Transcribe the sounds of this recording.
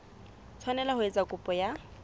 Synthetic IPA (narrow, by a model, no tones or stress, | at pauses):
t͡sʰwanɛlahʊet͡sakʼʊpʼɔja